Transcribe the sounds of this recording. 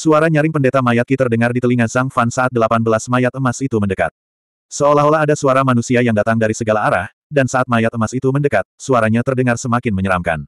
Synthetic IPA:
suaɾaɲaɾɪŋpəndet̪amajat̪̚kit̪ərdəŋardit̪əliŋazaŋfansaat̪̚dəlapanbəlasmajat̪əmasit̪uməndəka̰t̪̚ | səolaɦolaɦadasuaɾamanusiajaŋdat̪aŋdaɾisəɡalaːɾah | dansaat̪̚majat̪əmasit̪uməndəkat̪̚suaɾaɲat̪ərdəŋarsəmakɪnməɲəɾamka̰n

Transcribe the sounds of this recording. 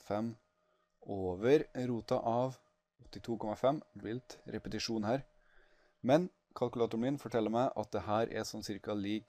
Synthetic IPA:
fɛm | oːʋəɾɾuːt̪ɑ̰ʔɑʋ | ɔt̪ːɪt̪ʰuːkʰɔmɑfɛmb̪ɪlt̪ɾɛpət̪ɪʂuːnhæːɾ | mɛn | kʰɑlkʉlɑːt̪ʊɾmɪnfɔʈʰɛlːəɾmæɪʔɑ̰t̪̚d̪ɛhæːɾʔɛ̰sɔmsɪɾkɑliːk

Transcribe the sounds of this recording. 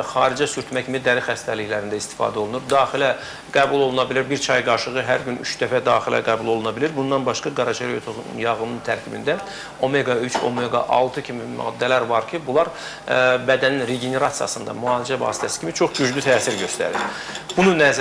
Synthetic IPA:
χɑːɾid͡ʒɛsyɾt̪mæcʰimid̪æɾixæst̪æliçlæɾind̪æist̪i̥fɑ̰ːd̪æo̞lˠunuɾd̪ɑːxilæ | ɡ̥æbulˠo̞lˠunɑbiliɾbiɾt͡ʃʰɑjɡɑɾʃɯʁɯɦæɾɟyny̰t͡ʃd̪æfæd̪ɑːxilæ̰ɡæbulˠo̞lˠunɑbiliɾbund̪ɑnbɑʃkɑɡɑɾɑʃeɾjot̪ʰoṵnjɑʁɯnɯnt̪ʰæɾcʰibḭnd̪æ | o̞meɡɑyt͡ʃʰo̞̰meɡɑ̰ʔɑ̰lˠt̪ʰɯcʰimimɑ̰ːd̪ːælæɾvɑɾcʰibulˠɑɾ | bæd̪æninɾeɡene̞ɾɑt̪sijɑ̰sɯnd̪ɑ̰muɑːlid͡ʒævɑ̰ːsi̥t̪ʰæsi̥cʰimit͡ʃʰo̞χɟyd͡ʒlyt̪ʰæːsiɾɟø̞st̪æ̰ɾḭɾb̥ununæz

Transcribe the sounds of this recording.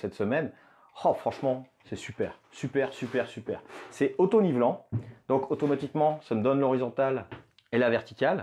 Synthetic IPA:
sɛt̪səmɛn | χɔfχɑ̃ʃmɑ̃ | sɛsypɛːʁsypɛʁsypɛʁsypɛːʁsɛot̪onivlɑ̃d̪ɔ̃kot̪ɔmat̪ikmɑ̃saməd̪ɔnlɔʁizɔ̃t̪al | elavɛʁt̪ikʲal

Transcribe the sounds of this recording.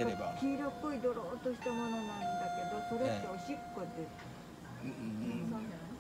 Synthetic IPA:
eakʲiːɾokːoid̪o̞ɾoːt̪oɕi̥t̪amo̞no̞nãnd̪ake̞d̪o̞so̞ɾeaoɕikːod̪esɨ̥ | nae

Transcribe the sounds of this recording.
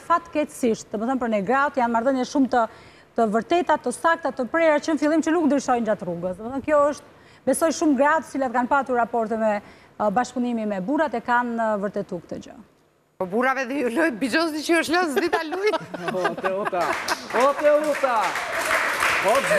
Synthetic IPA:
fat̪ːkɛtsiʃt̪̚d̪əməθɔnpəɾnɛɡɾat̪janmaɾðəɲɛʃumt̪ə | t̪əvəɾt̪ɛt̪at̪ːəsak̚t̪at̪əpɾɛɾat͡ɕənfilˠimt͡ɕənuknd̪ɾiʃɔjnd͡ʒat̪ruɡəsd̪əməθɔnkjɔəʃt̪̚ | bɛsɔjʃumɡɾat̪ə̥t͡silat̪kanpat̪uɾːapɔɾt̪ɛmɛ | baʃpunimimɛbuɾat̪ɛkanvəɾt̪ɛt̪uk̚t̪əd͡ʑə̰ | pɔbuɾavɛðɛjulɔjt̪̚bid͡ʒɔsit͡ʃəəʃlɔsd̪it̪aluj̪ | ɛut̪aɔt̪ɛut̪a | ɔ

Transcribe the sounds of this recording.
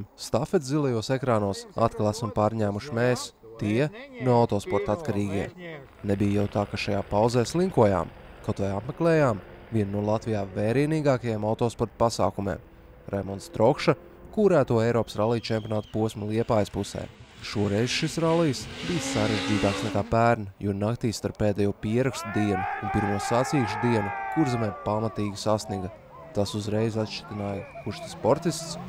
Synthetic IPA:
mst̪afet̪zilˠɛjuɔsekɾaːnuɔsa̰t̪kalˠæsumpaːɾɲæːmuʃmɛːs | t̪iɛnuɔawt̪ɔːspɔɾt̪at̪kaɾiːɡʲiɛ | nebijjawt̪aːkaʃajaːpaw̪zɛːslˠiŋkuɔja̰ːmkɔt̪vɛjapmeklɛːjaːmviɛnnuɔlˠat̪vijaːvɛːɾiɛniːɡaːkajemawt̪ɔːspɔɾt̪̚pasa̰ːkumḛːm | ɾʔɛmɔnt̪st̪ɾɔkʃa | kuɾæːt̪uɔejɾɔːpsɾalˠijt͡ʃɛmʲpʲjoɔnaːt̪puɔsʲmulˠiɛpaːjspusɛ̰j | ʃuɔɾɛjzʃisɾalˠijsbijsːaɾeʒd͡ʒiːt̪aːksnɛkaːpæːɾnɐjuɔnakt̪iːst̪aɾpːeːd̪ejuːɔpiɛɾakst̪ud̪iɛnuunpiɾmuɔsat̪siːʃd̪iɛnukuɾzɛmɛːpamat̪iːɡʲisasniɡɐ | t̪asuzɾejzat̪ʃt͡ʃi̥t̪inaːjkuʃt̪i̥spɔɾt̪ist̪s

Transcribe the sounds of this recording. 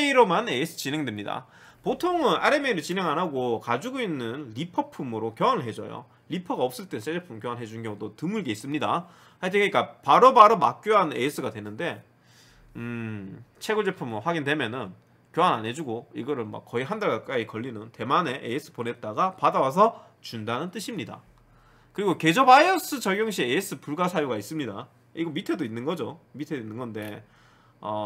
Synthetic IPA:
eiɾomanees͈ʰɯ̥t͡ɕine̞ŋdwemɲida̰potʰoŋɯnaɾemeɾɯɭt͡ɕine̞ŋɦanɦaɡokad͡ʑuɡoinːɯnlipʰʌpʰumɯɾokjʌwanɯɭɦe̞d͡ʑʌ̰jo̰ | ʎipʰʌɡaʌp̚s͈ɯɭt͈ens͈ʰed͡ʑepʰumkjʌanɭɦed͡ʑunnɡjʌŋudotɯmuɭɡe̞is͈ɯmɲida | haɭt̬ʰekik͈apaɾobaɾomak͈̚joɦanees͈ʰɯɡadwe̞nɯnde̞ | ɯ | t͡ɕʰe̞ɡuɭd͡ʑepʰumɸwaɡindwe̞mjʌnɯn | kjoɦanane̞d͡ʑuɡoiɡʌɾɯɭma̰k͈ːʌiɦandaɡak͈aikʌʎːinɯnte̞mane̞ʔees͈ʰɯ̥pone̞t̚t͈aɡapadawas̬ʰʌ | t͡ɕundanɯnt͈ɯɕʰimɲida̰ | kɯɾiɡoke̞d͡ʑʌbaiʌs͈ɯt͡ɕʌɡjoŋɕʰiees͈ɯpuɭɡasʰajuɡais͈ɯmɲida | iɡʌmitʰe̞doinːɯnɡʌd͡ʑomitʰe̞doinːɯnɡʌnde̞ | ʌ

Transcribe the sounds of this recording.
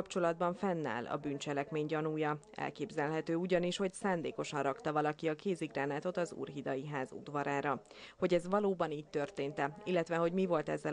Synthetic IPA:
pt͡ʃo̞lɒd̪bɒɱfɛnːa̰ːlɒ̰byːnt͡ʃɛlɛkmeːɲɟɒnuːjɒ | ɛ̰lkeːbzɛlɦɛt̪øːuɟɒniʃho̞csaːnd̪eːko̞ʃɒnrɒkt̪ɒvɒlɒkiɒkeːziɡraːnaːt̪o̞t̪ɒzṵːrɦid̪ɒjiɦaːzṵd̪ʋɒɾaːɾɒ | ho̞ɟɛzʋɒloːbɒniːc̚t̪ø̞rt̪eːnt̪ɛilːɛt̪ʋɛɦo̞ɟmivo̞lt̪ɛzːɛ

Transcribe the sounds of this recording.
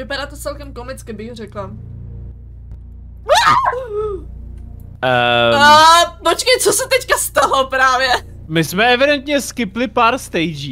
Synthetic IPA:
vɪpaɾaːt̪ot͡sɛlkɛmkomɪt͡skɪbɪɣr̝ɛkla | pot͡ʃkɛjt͡sosɛt̪ɛckast̪alopɾaːvjɛ | mɪsmɛɛvɪdɛnt̪ɲɛskɪplɪpaːɾst̪ɛjd͡ʒi

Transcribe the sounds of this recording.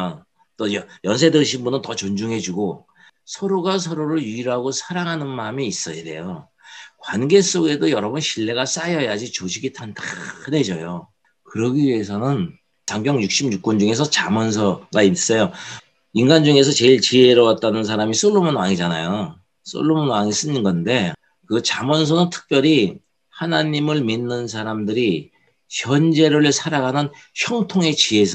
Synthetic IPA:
t͈ojʌjʌnsʰe̞dɯŋɕʰimbunɯntʌt͡ɕond͡ʑuŋɦe̞d͡ʑuɡo | sʰʌɾoɡas̬ʰʌɾoɾɯɭjiiɾɦaɡosʰaɾaŋɦanɯnmamiis͈ʌjede̞̰jo | kwanɡe̞s͈oɡe̞dojʌɾʌbʌnɕʰiɭːe̞ɡas͈ajʌjad͡ʑit͡ɕoɕʰiɡitʰantḁɯne̞d͡ʑʌjo | kɯɾʌɡiɥie̞s̬ʰʌnɯn | taŋbjʌŋjuk̚ɕ͈imɲuk̚k͈ʌnd͡ʑuŋe̞s̬ʰʌt͡ɕamʌnsʰʌɡais͈ʌjo | iŋɡand͡ʑuŋe̞s̬ʰʌt͡ɕe̞iɭt͡ɕieɾʌwat̚t͈anɯns̬ʰaɾamis͈oɭːomonwaŋid͡ʑanajo | s͈ʰo̰ɭːomonwaŋis͈ɯɲinɡʌnde̞ | kɯt͡ɕamʌns̬ʰʌnɯntʰɯ̥k̚p͈jʌɾi | hanaɲimɯɭminːɯns̬ʰaɾamdɯɾi | çjʌnd͡ʑe̞ɾɯɭsʰaɾaɡanɯnçjʌŋtʰoŋe̞t͡ɕie̞sʰʌ

